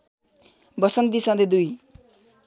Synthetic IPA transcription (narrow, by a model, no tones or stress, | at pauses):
bʌsʌnd̪isʌnd̪ed̪uj